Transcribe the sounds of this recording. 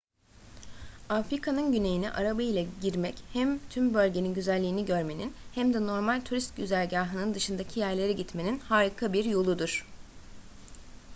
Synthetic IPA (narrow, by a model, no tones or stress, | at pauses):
afɾikʰanɯnɟyne̞jiniʔaɾabɯjlˠaɟiɾmɛchæmt̪ʰymbø̞lʲɟe̞ninɟyzælʲːiːniɟø̞ɾme̞ninhæmd̪ɛno̞ɾmalʲt̪ʰuɾist̪̚ɟyzælʲɟaːɦɯnɯnd̪ɯʃɯnd̪acʰijæɾlʲe̞ɾiɟit̪me̞ninhaːɾikʰabiɾjo̞lˠud̪uɾ̥